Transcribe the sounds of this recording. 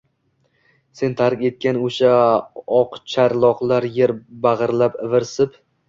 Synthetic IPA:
se̞nt̪ʰaɾkʲe̞t̪̚kʲanoʃaɒqt͡ʃʰaɾlˠɒqlˠaɾjeɾbaʁɨɾlapɪvɪɾsɪp

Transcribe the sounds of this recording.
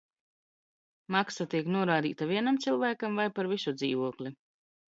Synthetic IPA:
maksat̪iɛknuɔɾaːd̪ḭːt̪aviɛnamt̪silˠvæːkamvajpaɾvisud̪zḭːvuɔklʲi

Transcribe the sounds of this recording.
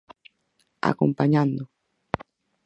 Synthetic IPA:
a̰ko̰mpaɲãnd̪ʊ

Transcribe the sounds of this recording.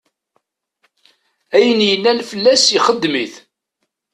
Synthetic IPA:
æjənjənːænfəlːæsiχəd̪ːmiθ

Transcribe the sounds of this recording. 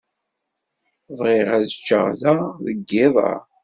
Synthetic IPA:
vʁɪʁæðət͡ʃːə̰ʁðæðəɡːɪðˤɑ̰ɾ

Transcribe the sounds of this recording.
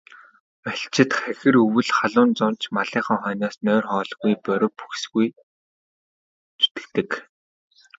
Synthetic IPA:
aɬt͡ɕʰɪ̆t̪χæxɘ̆rɵwɘ̆ɮχaɮʊːnt͡sʊnt͡ɕʰmaɮiːχə̆ŋχœːnaːsnœːrχɔːɮɣujpœɾʲʊ̆pu̥xsɣuj | t͡su̥t̪ɘ̥̆kt̪ɘ̆k

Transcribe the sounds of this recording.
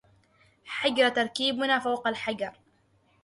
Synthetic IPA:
ħaɡɾt̪ɑɾˤkiːbʊnaːfawqalħaɡɑɾˤ

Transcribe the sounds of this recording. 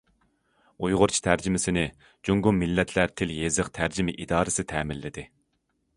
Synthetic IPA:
ujʁʊɾt͡ʃʰi̥t̪ʰæɾd͡ʒɪmɪsɪnɪ | d͡ʒuŋɡumːɪlːɛt̪ʰlæɾt̪ʰɪljezɨqt̪ʰæɾd͡ʒɪmɪʔid̪ɑːɾɨsɪt̪ʰɛːmɪlːɪd̪ɪ

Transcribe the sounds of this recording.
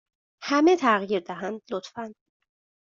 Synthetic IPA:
hæmet̪ʰæɣjiɾd̪æɦænd̪lot̪fænd̪̥

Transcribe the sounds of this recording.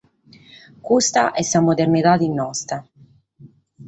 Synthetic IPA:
kust̪aʔɛsːamod̪ernit̪ad̪inːɔst̪a

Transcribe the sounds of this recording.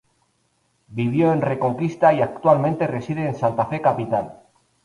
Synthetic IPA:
biβ̞jo̞e̞nre̞ko̞ŋkist̪aiakt̪ualment̪e̞re̞sið̞e̞ːnsant̪afe̞kapit̪al

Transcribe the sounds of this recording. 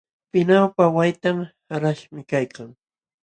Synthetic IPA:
pɪnawpawajt̪amhaɾaʃmɪkajkaŋ

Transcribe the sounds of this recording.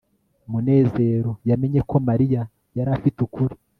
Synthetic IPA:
mune̞ːze̞ɾo̞jame̞ɲe̞kʰo̞maɾija | jaɾafitukuɾi

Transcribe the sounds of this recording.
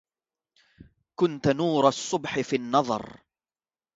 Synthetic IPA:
kʊnt̪nuːɾˤɑsˤːʊbħɪfiːnːɑðˤɑ̰ɾˤ

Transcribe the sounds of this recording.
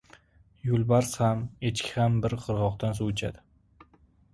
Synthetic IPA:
jʊlˠbaɾshamet͡ʃkʲʰɪhambɪɾqʰɨɾʁɒqt̪ʰans̬uwet͡ʃʰa̰d̪ɪ

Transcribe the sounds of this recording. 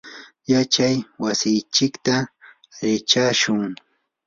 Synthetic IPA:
jat͡ʃajwasɪjt͡ʃɪkt̪a | ɾɪt͡ʃaʃʊŋ

